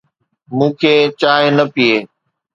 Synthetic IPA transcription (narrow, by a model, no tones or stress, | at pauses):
mũːkʰeːt͡ɕaːɦenəpieː